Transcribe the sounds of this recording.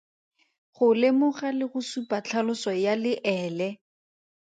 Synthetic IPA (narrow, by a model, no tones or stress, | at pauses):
χʊlɪmʊχalɪχʊsupat͡ɬʰalʊsɔjalɪʔɛːlɛ